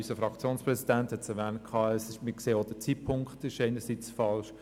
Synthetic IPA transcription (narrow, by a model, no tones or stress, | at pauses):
ysəfʁɑkt͡sjoːnspʁɛsidænthɛtsɛʁʋæːnt̚kʰɑːɛsɪʃmɪkseːod̥ət͡siːtpʰʊŋktɪʃɛɪnəsit͡sfɑlʃ